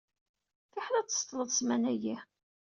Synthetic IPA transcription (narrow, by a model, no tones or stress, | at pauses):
fiħɾæt͡sːə̥st̪ˤləðˤsmænæjih